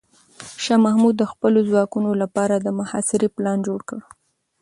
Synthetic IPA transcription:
ʃɑmahmud̪ːəxpəlozwɑkunolapɑɾad̪əmʊhɑ̰sɪɾiplɑnd͡ʒoɽkəɽ

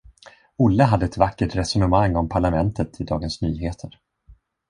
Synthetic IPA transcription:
ʊlːəɦad̪ːəɛt̪vakːəʈɾɛsɔnəmaŋːɔmpʰaɭamɛnt̪ʰət̪ʰɪd̪ɑːɡənsnyːɦeːt̪ʰəɾ

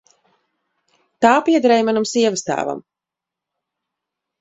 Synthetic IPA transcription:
t̪aːpiɛd̪ɾɛjmanamsiɛvəst̪a̰ːva̰m

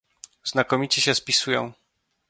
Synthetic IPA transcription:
z̥nakɔmʲit͡ɕɛɕɛspʲisujɔ̰̃w̃

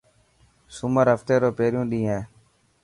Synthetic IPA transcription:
sʊməɾɦəft̪eːɾoːpeːɾjũːɗĩːɦẽː

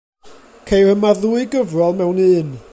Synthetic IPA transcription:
kʰejrəmaðuːɨɡəvrɔlˠmɛwnɨːn

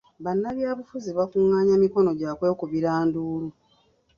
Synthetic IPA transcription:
βanːaβjaːβufuziβakuŋːaːɲamiko̞no̞ɟaːkwe̞ːkuβiɾaːnduːlu

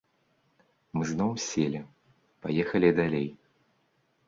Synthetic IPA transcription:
mɨznɔwsʲelʲi | pajɛxɐlʲid̪alʲej

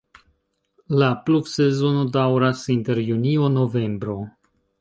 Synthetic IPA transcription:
lapluksezo̞nodawɾasinte̞ɾjunio̞no̞ve̞mbɾo̞

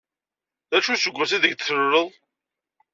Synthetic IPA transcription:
æʃusəɡʷːæs̬iðəɡ̪θəɾʊɾəðˤ

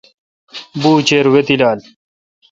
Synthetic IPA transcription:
buːt͡ɕeːɾwet̪ilaːl

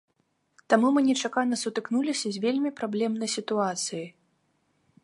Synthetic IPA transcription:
t̪amumɨnʲɛt͡ʂakanɐsut̪ɨknulʲisʲɐzʲvʲelʲmʲipɾablʲɛmnɐjsʲit̪uat̪sɨji

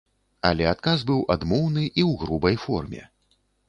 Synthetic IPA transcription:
a̰lʲɛat̪̚kazbɨwʔad̪mɔwnɨʔiwɣɾubɐjfɔrmʲɛ̰

